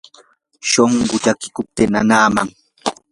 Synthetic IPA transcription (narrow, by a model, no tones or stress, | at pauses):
ʃoɴɢʊʎakɪ̥kʊp̚t̪ɪnanaːmaŋ